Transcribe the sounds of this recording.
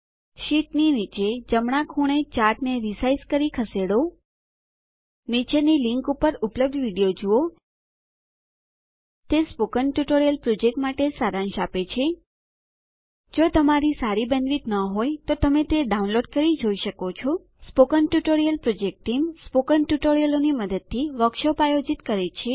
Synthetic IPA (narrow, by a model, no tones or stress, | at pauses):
ʃiʈninit͡ʃed͡ʒəmɳ̃ãkʰuɽ̃et͡ʃaɾʈneɾisaizkəɾikʰəseɽo | nit͡ʃeniliŋkupəɾupləb̚d̪ʱʋiɽijod͡ʒuo | t̪espokənʈjuʈoɾijəlpɾod͡ʒek̚ʈmaʈesaɾãnʃapet͡ʃʰe | d͡ʒot̪əmaɾisaɾibənʋit̪nəɦojt̪ot̪əmet̪eɖaunloɖkəɾid͡ʒoiʃəkot͡ʃʰo | spokənʈjuʈoɾijəlpɾod͡ʒek̚ʈʈːimspokənʈjuʈoɾijəloniməd̪əd̪̚t̪ʰːiʋəkʃopajod͡ʒit̪kəɾet͡ʃʰe